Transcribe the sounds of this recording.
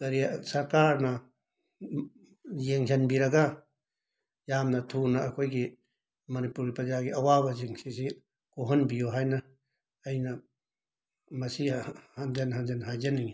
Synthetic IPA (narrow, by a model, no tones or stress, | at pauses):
ɡ̥ɐɾijasɐɾkaɾnɐ | jeŋzɐnbiɾɐɡa | jamnɐtʰunaːkʰojɡi | mɐnipuɾɡipɐzaɡiɐwabɐziŋsisi | koɦɔnbijoɦajnɐː | jnɐ | mɐsihanzanɦand͡ʒanɦajzɐniŋi